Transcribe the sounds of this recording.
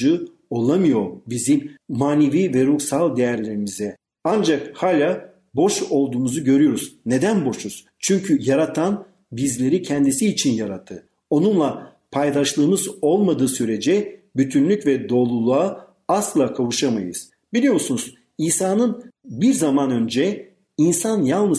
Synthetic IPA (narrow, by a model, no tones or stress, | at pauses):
ɯ | o̞lˠamɯjo̞ɾbizimmaːneviːvɛɾuksalˠd̪e̞jæɾlʲe̞ɾimizɛ | and͡ʒakhaːlʲaː | bo̞ʃo̞lˠd̪uːmuzuɟø̞ɾyjo̞ɾuz̥ne̞d̪ænbo̞ʃuz̥ | t͡ʃʰyɲcʰyjaɾat̪ʰan | bizlʲe̞ɾicʰɛnd̪isiːt͡ʃʰinjaɾat̪ʰːɯ | o̞nunlˠa | pʰajd̪aʃlˠɯːmɯzo̞lˠmad̪ɯːsyɾe̞d͡ʒɛ | byt̪ʰynlʲycvɛd̪o̞ːlˠulˠua | aslˠaːkʰavuʃama̰jɯ̰z̥ | b̥ilʲijo̞msunuz̥ | iːsaːnɯnbiɾzamanø̞nd͡ʒɛ | insanjalˠnɯ